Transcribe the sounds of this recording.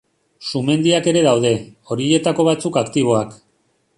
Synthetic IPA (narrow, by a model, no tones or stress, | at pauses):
sume̞nd̪iake̞ɾe̞ðawðe̞o̞ɾie̞t̪ako̞β̞at͡sukakt̪iβ̞o̞ak